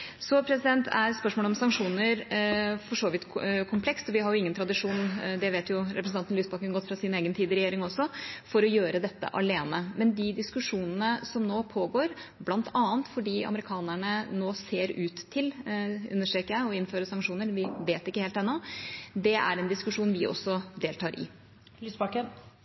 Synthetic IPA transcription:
sɔpʰɾɛsɪd̪ɛnt̪ʰæ̰ɾspœʂmoːləɔmsɑŋʂuːnəɾfɔʂoːʋɪt̪kʰʊmpʰlɛkst̪ɔʋɪhɑɾjʊɪŋːənt̪ʰɾɑd̪ɪʂuːnd̪ɛʋeːt̪jʊɾɛpɾəsn̩ɑnnlyːsbɑkənɡɔt̪ːfɾɑsɪneːɡənt̪ʰiːd̪ɾɛjeːɾɪŋɔsːɔfɔɾɔjøːɾəd̪ɛt̪ːə̰ʔɑ̰leːnəmɛnd̪ɪd̪ɪskʉʂuːnənəsɔmnoːpʰoːɡoːɾblɑnt̪ʰɑːənt̪fɔɖiːɑ̰məɾɪkʰɑːnæɳənoːseːɾʉːt̪ʰːɪlʉ̰nːəʂʈeːkəæɔɪnføːɾəsɑŋkʂuːnəɾʋɪʋeːt̪ɪkːəheːlt̪ɛnːɔd̪ɛʔæ̰ɾɛnd̪ɪskʉʂuːnʋɪʔɔ̰sːɔd̪eːlt̪ʰɑːɾʔɪ̰ | lysbɑkən

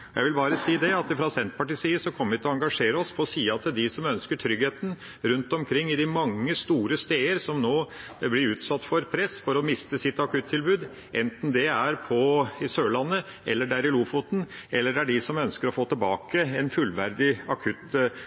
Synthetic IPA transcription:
jʔæɪʋɪlbɑːɾəsiːd̪ɛɑt̪̚ɪfɾɑsɛnt̪̚pʰɑʈiːsiːəsɔkʰɔmːəɾʋɪt̪ʰlɔɑŋɡɑʂeːɾəɔspʰɔsiːɑt̪ʰɪld̪ɪsɔmœnskəʈʰɾʏɡheːt̪n̩ | ɾʉnt̪ɔmkʰɾɪŋːɪd̪ɪmɑŋːəst̪uːɾəst̪eːəɾsɔmnoː | blɪɾʉːt̪sɑt̪ːfɔɾpʰɾɛsfɔɾɔmɪst̪əsɪt̪ːɑkʰʉt̪ʰːɪlbʉːd̪ | ʔɛnt̪n̩d̪ɛæɾpʰɔɪsøːɭɑnːə | ɛlːəɖææɾɪluːfʊt̪n̩ɛlːəɖɛæɖɪsɔmœnskəɾɔfoːt̪ʰɪlbɑ̰ːkəɛnfʉlʋæɾd̪ɪɑkʰʉt̪

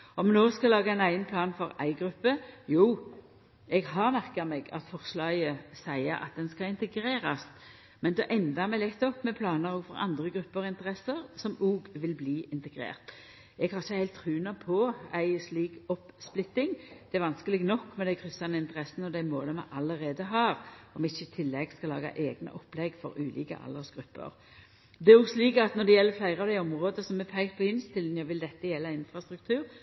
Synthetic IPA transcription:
ɔmnoːskɑlɑːɡəæɪnæɪənpʰlɑːnfɔɾæ̰ɪɡɾʉpːəjuː | ɛɡhɑʁmæʁkɑmɛːɡɑ̰t̪fɔʁslɑːjəsæɪəɾɑ̰t̪̚d̪ɛnskɑɪnt̪əɡɾeːɾɑst̪ | mɛnd̪ɛʔɛnd̪ɑmɛlɛt̪ːɔpːmɛpʰlɑːnəɾoːɡfɔʁɑ̰nd̪ʁəɡʁʉpːəʁɪnt̪əʁɛsəʁsɔmuːɡʋɪlbliːɪnt̪əɡɾḛːʁt̪ | ɛɡhɑɾʁɪçːəhæɪt̪ʰːʁʉːnɑpʰɔæɪsliːkɔpsplɪt̪ːɪŋd̪ɛæɾʋɑnskəlɪɡnɔkːmɛd̪æɪkʰʁʏsːɑnəɪnt̪əɾʁɛsənəɔd̪æɪmoːləmɑʔɑləɾeːd̪əɦɑːʁɔmɪçːəɪt̪ʰɪlːɛɡskɑlɑ̰ːɡɑ̰ʔeːɡnə̰ʔɔpːlɛɡfɔ̰ɾʉːlḭːkə̰ʔɑ̰ld̪əsɡ̥ɾʉpːə̰ɾ | d̪ɛæɾɔɡsliːkɑt̪nɔd̪ɛjɛlːəflæɪɾəɑʋd̪æɪɔmʁoːd̪əsɔmːɛpʰæɪpʰɔɪnst̪ʰɪln̩jɑʋɪld̪ɛt̪ːəjɛlːɑɪnfʁɑst̪ʁʉk̚t̪ʰʉːɾ

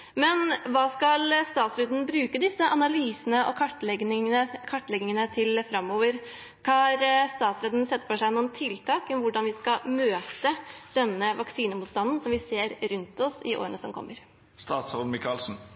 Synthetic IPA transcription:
mɛnʋɑːskɑlst̪ɑːt̪sɾøːd̪ənbɾʉːkəd̪ɪsːəʔɑnɑlyːsənəʔɔ̰kʰɑʈ̪ɛɡ̪əkʰɑʈːlɛɡɪŋənət̪ʰɪlfɾɑmːoːʋəɾ | kʰɑɾst̪ɑːt̪sɾeːd̪nsɛt̪ːfɔʂæɪnuːnt̪ʰɪlt̪ʰɑːkɔmʋʊɖɑnʋɪskɑmøːt̪əd̪̥ɛnːəʋɑksiːnəmuːt̪st̪ɑnːənsɔmʋɪseːɾɾʉnt̪ɔsɪʔo̰ːɾənəsɔmkʰɔ̰mːəɾ | st̪ɑːt̪sɔlmɪkɑlsn̩

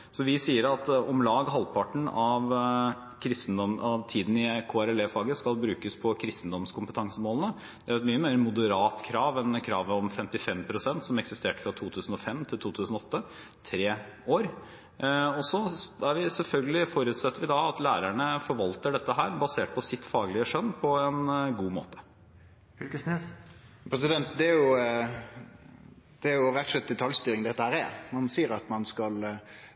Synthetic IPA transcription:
sɔʋɪsiːəɾɑt̪ɔmlɑːɡɦɑlːpʰɑʈɳ̩ɑʋ | kʰɾɪst̪n̩d̪ɔmɑʋt̪ʰiːd̪n̩ɪkʰoːæɾɛleːfɑːɡəskɑlbɾʉːkəspʰɔkʰɾɪst̪n̩d̪ɔmskʰʊmpət̪ʰɑŋsəmoːlnə | d̪̥ɛæɾɛt̪myːəmeːɾəmʊd̪əɾɑːt̪kʰɾɑːʋɛnkʰɾɑːʋəɔmfɛmt̪ɪfɛmpʰɾʊsɛnt̪sɔmɛksɪst̪eːʈə̥fɾɑt̪ʰuːt̪ʰʉːsn̩ɔfɛmt̪ʰɪlt̪ʰuːt̪ʰʉːsn̩ɔɔt̪ːə | t̪ʰɾeː | oːɾ | ɔsɔæɾʋɪsɛlfœlɡəlɪfɔɾʉːt̪sɛt̪ːəɾʋɪd̪ɑɑt̪læːɾæɳəfɔɾʋɑlt̪əɖɛt̪ːəɦæːɾbɑseːʈ̚pʰɔsɪt̪ːfɑːɡlɪəʂœnːpʰɔɛnɡuːmo̰ːt̪ə̥ | fykəsnys | pʰɾɛs̬ɪd̪ɛnt̪d̪ɛæɾjʊ | d̪̥ɛæɾjʊɾɛt̪ːʂlɛt̪̚d̪ɛt̪ʰɑljst̪yːɾɪŋd̪ɛt̪ːəhæːɾɛmɑnsiːəɾɑt̪mɑnskɑl

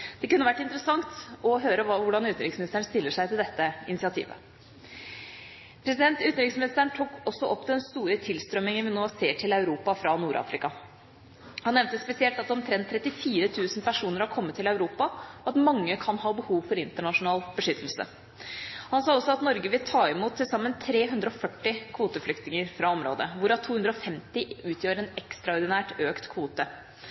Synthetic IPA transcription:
d̪̥ɛkʉnːəʋæʈːɪnt̪əɾəsɑŋt̪ɔɦøːɾəʋʊɖɑnʉːt̪nɾɪksmɪnɪst̪əɳst̪ɪlːəʂæɪt̪ɪld̪ɛt̪ːəɪnɪsɪɑt̪ʰḭːʋə̰ | pʰɾɛs̬ɪd̪ɛnt̪ʉːt̪nɾɪksmɪnɪst̪əɳt̪ʰuːkɔsːɔʔɔpːd̪ɛɛnst̪uːɾət̪ʰɪlst̪ɾœmɪŋənʋɪnoːseːʈʰɪlɑʉɾuːpɑfɾɑnuːɾʔɑ̰ːfɾɪkɑ | hɑnːɛʋmnt̪əspɛsɪɛlt̪ɑt̪̚d̪ɛɔmt̪ʰɾɛnt̪ʰːɾɛt̪ːɪfiːɾət̪ʰʉːsn̩pʰæʂuːnəɾhɑɾkʰɔmːət̪ʰːɪlɑʉɾuːpɑɔɑt̪mɑŋːəkʰɑnhɑːbəhuːʋfɔɾɪnt̪əɳɑʂʊnɑːlb̥əʂʏt̪ʰːəl̩sə̰ | hɑnsɑːɔsːɔɑt̪nɔɾɡəʋɪlt̪ʰɑːɪmuːt̪ʰːɪlsɑmːənt̪ʰɾeːɦʉnd̪ɾəɔfœʈːɪkʰʋuːt̪əflʏk̚t̪nɪŋəɾfɾɑɔmɾo̰ːd̪əʋʊɾɑt̪ʰuːhʉnd̪ɾɔɔfɛmt̪ɪʉːt̪ʰjøːɾəɾɛnɛkst̪ɾɑɔɾd̪ɪnæːʈøːkt̪kʰʋuːt̪ə

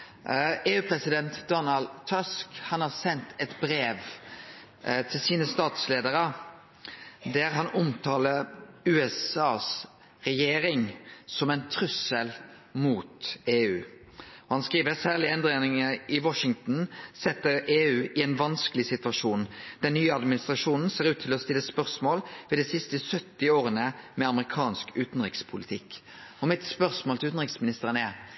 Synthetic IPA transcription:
eːʉːpʰʁɛsɪd̪ɛnt̪d̪ɔnɑld̪t̪ʰːɔskhɑnhɑːʁsɛnt̪ʰɛt̪bɾeːʋ | t̪ʰɪlsiːnəst̪ɑːt̪sleːd̪əɾə | d̪æʁɦɑnʊmt̪ʰɑːləɾʉːɛsɑːs | ʁɛjeːɾɪŋsɔmɛɪnt̪ʰɾʉsəl | muːt̪eːʉ̰ː | ɔhɑnskʁiːʋəɾsæːʁlɪɛnd̪ʁeːnɪŋəɪwɔʂɪŋt̪n̩sɛt̪ːəɾeːʉːʔɪɛɪnʋɑnskəlɪsɪt̪ʋɑʂuːnd̪̥ɛnːyːəɑd̪mɪnɪst̪ʁɑʂuːnn̩seːɾʉːt̪ʰːɪlɔst̪ɪlːəspœʁsmoːlʋiːd̪ɛsɪst̪əsœt̪ːɪoːʁənəmɛɑməʁɪkʰɑːnskʉːt̪n̩ʁɪkspʰʊlɪt̪ʰɪkː | ɔmɪt̪spœʁsmoːlt̪ʰʉːt̪n̩ʁɪksmɪnɪst̪əʁənɛ

